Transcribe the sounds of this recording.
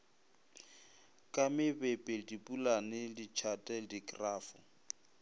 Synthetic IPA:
kʼamɪbɛpʼɛdipʼulanɪdit͡ʃʰatʼɛdikʼraːfʊ

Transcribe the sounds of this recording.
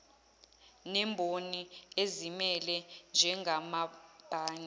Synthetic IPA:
nɛmbʱoniezimɛlɛnd͡ʒʱɛŋɡʱamab̥ʱaːɲa

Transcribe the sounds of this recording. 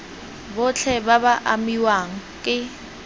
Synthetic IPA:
bʊt͡ɬʰɛbabaʔamiwaŋ̩kʼɪ

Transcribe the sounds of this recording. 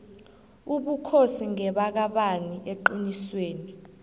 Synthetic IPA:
uɓukʰosiŋɛɓak̬aɓaniʔeǃinisweːni

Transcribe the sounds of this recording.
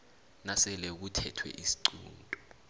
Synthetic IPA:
nasɛlɛk̬utʰɛtʰwɛ̰ʔisi̥ǀuːntʼɔ

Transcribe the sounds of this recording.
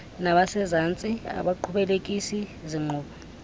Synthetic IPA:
naɓasɛzant͡sʼia̰ɓaǃʰuɓɛlekʼisiziŋ͡ǃuːɓɔ

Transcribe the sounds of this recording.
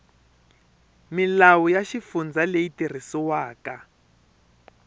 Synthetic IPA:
milawujaʃifund͡zalejitir̤isiwaːka

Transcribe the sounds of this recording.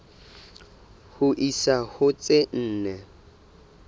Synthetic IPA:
hʊʔisahʊt͡sʼɪn̩ːnɛ

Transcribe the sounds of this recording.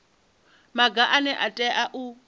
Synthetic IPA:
maɡaʔanɛʔatʼɛʔaʔu

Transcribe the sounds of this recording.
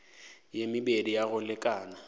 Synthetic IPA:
jemɪbedijaɣʊlɪkʼaːna

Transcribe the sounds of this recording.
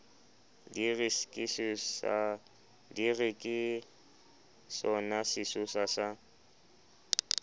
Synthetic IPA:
dirɪskʼɪs | dirɪkʼɪ | sɔnasɪsʊsasa

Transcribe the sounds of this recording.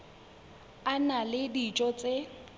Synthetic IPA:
analɪdit͡ʃʼɔt͡sʼe

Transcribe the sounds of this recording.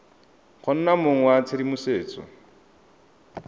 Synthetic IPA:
χʰɔn̩namoŋ̩wat͡sʰɪdimʊseːt͡sɔ̰

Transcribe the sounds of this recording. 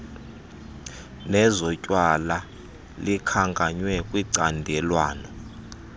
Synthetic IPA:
nɛzɔcʼwala | likʰaŋɡʼʱaɲwɛkʼwiǀandʱɛlwaːnɔ

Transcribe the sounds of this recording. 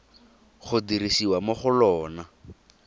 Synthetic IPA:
χʊdiɾisiwamoχʊlɔːna

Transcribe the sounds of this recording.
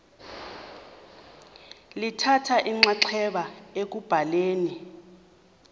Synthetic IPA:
litʰatʰaʔiŋ͡ǁaǀʰɛɓaek̬ub̥ʱaleːni

